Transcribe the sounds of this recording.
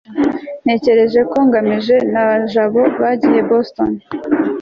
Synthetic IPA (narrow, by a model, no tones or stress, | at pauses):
n̥e̞ːce̞ɾe̞ʒe̞ko̞ŋɡamiʒe̞naβaʒaβo̞βaɟije̞boston